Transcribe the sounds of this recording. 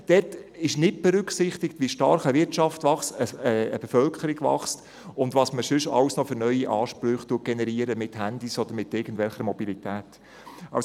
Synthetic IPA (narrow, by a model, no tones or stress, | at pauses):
d̥ɛtɪʃnɪt̚b̥ɛɾʏksɪχt̪ɪkt̪ʋiəʃtɑɾχəʋɪtʃɑftʋɑχsəəəbefœlkʰəɾɪɡvɑ̰χst | ʊndʋɑsməʃʏʃɑ̰wsnɔfʏɾnœʏiʔɑːʃpɾʏχt̪uəɡ̥enɛɾiəɾəmɪthænd̥̪isɔd̥̪əɾmɪtɪɡ̥ən̩dvɛlχəɾmɔbilitæːt | ɑ̰s